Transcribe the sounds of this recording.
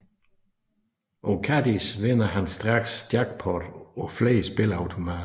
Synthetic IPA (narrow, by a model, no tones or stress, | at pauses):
ʔɒkʰæd̥isʋenɐɦænsd̥ʁɑ̈ɡ̥sd̥jɑ̈ɡ̥pʰɒd̥ɒfleɪsb̥e̝lɑ̈ʊt͡sʰo̝mæː